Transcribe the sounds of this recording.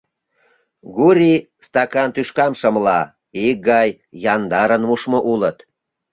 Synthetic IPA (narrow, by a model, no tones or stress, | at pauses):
ɡuɾʲi | st̪ɑkɑnt̪yʃkɑmʃə̆mlɑ | ik̚ɡɑjː | ɑnd̪ɑɾənmuʃmoʔulət̪